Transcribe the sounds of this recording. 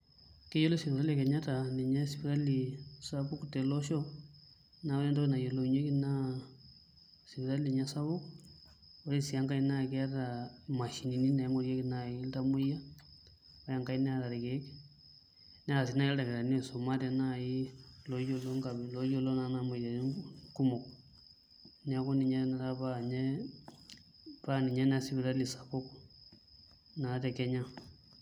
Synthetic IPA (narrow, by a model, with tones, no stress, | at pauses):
ke˦jo˦lo˦si˨pi˨ɾa˦lɛ˨kɛ˨ɲa˦ta˨nɛ˨ɲa˦si˨pɾa˦li˨sa˦bu˦ku˨tɛ˨lɔ˦ʃɔ˦ | na˨˦lɛ˦ntɔ˦ɛ˦na˨jo˨lo˨ɲe˦ki˦na˦ | si˨βi˨ɾa˦li˨ɲa˦sa˦bu˦k | o˨˦ɾe˦si˨a˦ŋka˦i˦na˦kɛ˦a˦ta˨ma˨ʃi˨ni˨ni˦na˨ja˦ŋo˦ɾja˦ki˨na˦i˦lta˦mo˦ja˦ | ɔ˦ja˨ŋka˦i˦nɛ˦a˨ta˨ɾi˨ke˦ | nɛ˦a˨s̬i˨˦na˦i˦lda˨kɛ˨ɾa˨n˦˨so˨ma˦tɛ˨na˦i˦lo˦jo˦lo˦ŋka˨bi˨lo˦jo˦lo˦na˨˦na˦mo˨ja˨˦ku˦mo˨k | n˦a˨˦ko˦ni˨ɲɛ˦na˨ɾa˦pa˦˨ɲɛ˦ | pa˦˨ni˨ɲɛ˦n˦a˦si˦bi˨ɾa˦li˨sa˨po˦ku˨ | na˨˦tɛ˨kɛ˦ɲa˦